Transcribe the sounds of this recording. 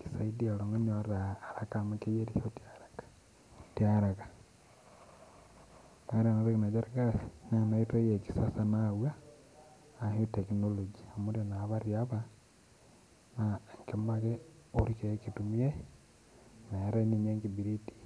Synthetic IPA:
ki̥saidialoŋɡonioɾaːɾakamakejeɾiotiaɾakḁ | tiaɾakḁ | aɾianaɾekinad͡ʒaɾkasnanaitojeki̥sasanaβwaː | htekinolod͡ʒiamuɾionaβaɾiaβa | naŋkemakeoɾikekitumie | naɾeniɲeŋɡibiɾiti̥

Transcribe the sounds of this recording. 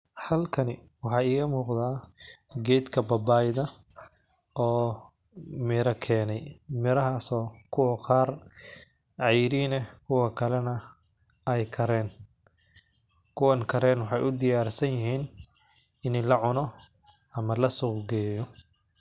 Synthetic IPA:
hɐlkʰɐnɪ | wɑħɑːɪːɣɐmuːqd̪aːɡɛjd̪kʰɐbɐbaːjðɐ | ɔː | mɪːɾɐkʰɛːnɛjmɪɾɐɦaːsɔːkʰʊwɐqɑːr | ʕɑjɾiːnɛkʰʊwɐkʰɐlɛnɐ | ɛjkʰɐɾɛːn | kʰʊwɐnkʰɐɾɛːnwɑħɑjʔʊd̪ɪjaːrsɐjjɪɦiːn | ɪnlɐʕʊnɔ | ɐmɐlɐsʊqɡɛːjɔ

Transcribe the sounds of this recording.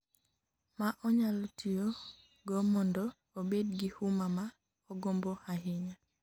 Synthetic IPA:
maʔɔɲalɔtʰio | ɡɔmɔndɔ | obedɡɪhumama | ɔɡombohaɦɪɲa

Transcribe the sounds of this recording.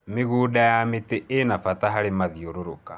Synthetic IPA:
meɣuːdajameteʔenafataɦaɾemaðioɾoɾoka

